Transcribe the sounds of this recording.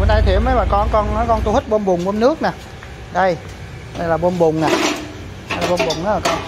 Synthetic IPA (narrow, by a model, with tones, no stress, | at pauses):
u˨˦na˧jt̪ʰi˨˩˦wmə˨˦jɓaː˨˩kɔ˧nkɔ˧na˨˦kɔ˧nt̪u˧hi˦˥t̚ɓo˧nɓʊ˨˩ŋ͡mʔnɨ˦˥ək̚naː˨˩ | ɗə˧j | ɗə˧jlaː˨˩ɓo˧nɓʊ˨˩ŋ͡mnaː˨˩˧ | la˨˩ɓo˧nɓʊ˨˩ŋ͡mʔaː˨˦laː˨˩kɔ˧n